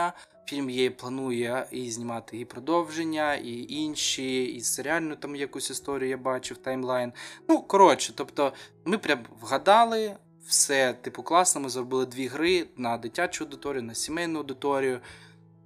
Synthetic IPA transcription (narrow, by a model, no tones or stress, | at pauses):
fʲilʲmjejɛplˠɐnujɛizʲnʲɪmɑt̪ɪipɾɔd̪ɔwʒenʲːɐiʔinʲʃiiseɾʲɪalʲnʊt̪ɑmjɐkusʲɪst̪ɔɾʲjʊjabɑt͡ʃɪwt̪ɐjmlˠɑjnnukɔɾɔt͡ʃɛ̥t̪ɔpt̪ɔ | mɪpɾʲamʋɦɐd̪ɑlˠɪ | wsɛt̪ɪpɔklˠɑsnɔmɪzrɔbɪlˠɪd̪ʲʋʲiɦɾɪnɐd̪ɪtʲat͡ʃʊɐʊd̪ɪt̪ɔɾʲijʊnɐsʲimɛjnʊɐʊd̪ɪt̪ɔɾʲijʊ